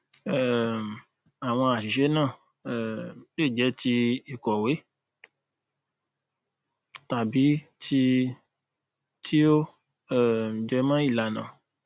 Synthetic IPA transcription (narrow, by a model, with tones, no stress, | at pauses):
ɛ˦˨m˨ | a˨w̃ɔ̃˧a˨ʃi˨ʃɛ˦nãː˦˨ | ɛ˨le˦˨d͡ʒɛ˨˦ti˧i˨kɔ˨we˨˦ | ta˨bi˨˦ti˧ | tʰi˦o˦ | ɛ˦˨d͡ʒɛ˧mã˦i˦˨la˧˨nã̰˨